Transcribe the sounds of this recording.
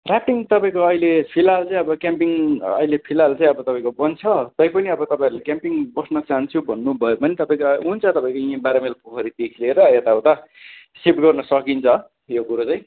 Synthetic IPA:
rap̚ʈiŋt̪ʌpãĩkoʌilepʰilalt͡sãĩʌbʌkjampiŋʌ̰ɦilepʰilalt͡sãĩʌbʌt̪ʌpaĩkobʌnt͡sʰʌt̪ʌjpʌniʌbʌt̪ʌpaĩʌɾulekʲjampiŋbʌsnʌt͡saɦant͡sʰubʱʌnːubʱʌjopʌnit̪ʌpãĩkount͡sʰʌt̪ʌpaĩkoãbaɾamelpokʰʌɾid̪ekʰileɾʌet̪aot̪ʌ | sipʈɡʌrnʌsʌkint͡sʰʌ | jokuɾot͡sãĩ

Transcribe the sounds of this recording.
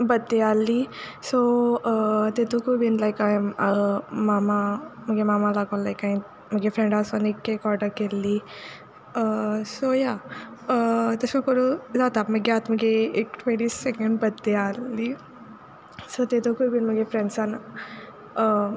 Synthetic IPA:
bəd̪ealːiso | t̪et̪okʰubinlajkajəmamam̤əɡemamalaɡʋə̃nlajkaĩ | m̤əɡefɾẽɳɖasənikːekɔɾɖəɾkelːi | əsojaət̪əsməkoɾud͡zat̪aməɡjat̪məɡeekʈʰʋẽɳʈiːsːɛkə̃ɳɖbəd̪ealːi | sot̪et̪okʰubinməɡefɾɛ̃ɳɖsan

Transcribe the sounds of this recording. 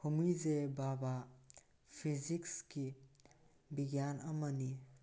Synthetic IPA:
humizebaba | pʰizikski | biɡjanɐmɐni

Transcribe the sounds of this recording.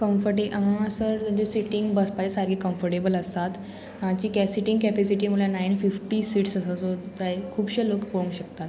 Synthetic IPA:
kəmfəɾʈĩʔɦãsəɾt̪jãt͡ɕesiʈiŋɡbəspat͡ɕesaɾɡekəmfəɾʈebələst̪at̪ | t͡ɕiːkɛsiʈĩŋɡkɛpɛsiʈimulanainfifʈiːsiːʈsəsat̪ot̪aekʰuːbɕelokkəɽũːɕək̚t̪at̪

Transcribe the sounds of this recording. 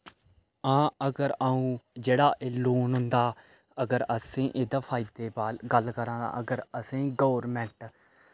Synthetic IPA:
ãːəɡəɾaːũːd͡ʒeːɽaːʔeːloːnɦʊ̃nd̪aː | əɡəɾəsẽːʔɪd̪apʰaːid̪eːbaːlɡəlkəɾãːd̪a̰ːʔəɡəɾəsẽːɡoːɾmɛ̃ɳʈ

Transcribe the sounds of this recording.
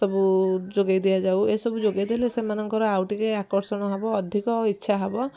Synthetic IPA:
ɔbud͡ʒoɡajd̪ijad͡ʒawesɔbud͡ʒoɡejd̪elesemanɔŋkɔɾɔawʈikeakɔɾsɔɽ̃ɔɦebɔːd̪ʱikɔitːʃʰaɦebɔ

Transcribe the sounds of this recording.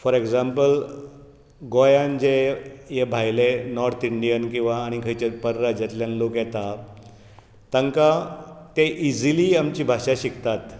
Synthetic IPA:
fɔɾeɡd͡zampəl | ɡojand͡ʑejebʱajlenɔɾt̪iɳɖijənkĩw̃ʋaːɽ̃ikʰəjt͡ɕepəɾɾəd͡ʑɛt̪ljanlokjɛt̪a | t̪ə̃ŋkat̪eʔid͡ziliːamt͡ɕiːbʱaʂaɕikt̪at̪

